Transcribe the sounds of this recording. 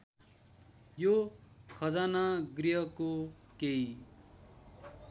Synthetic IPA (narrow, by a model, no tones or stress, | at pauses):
jokʰʌd͡zanaɡriɦʌko | kei